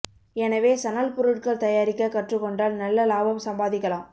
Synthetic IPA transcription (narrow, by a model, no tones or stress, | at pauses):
ɛnɐʋeːsɐnalpʊɾɯʈkɐɭt̪ɐjaːɾɪkːɐkɐʈrɯkːɔɳɖaːlnɐlːɐlaːbɐmsɐmbaːðɪkːɐɭaːm